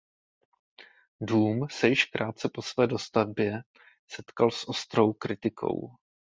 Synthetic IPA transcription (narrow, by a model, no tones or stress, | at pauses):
duːmsɛjɪʃkɾʔaːt̪̚t͡sɛpo̞svɛːdo̞st̪avbjɛ | sɛt̪kalsʔo̞st̪ɾo̞wkɾɪt̪ɪkʰo̰w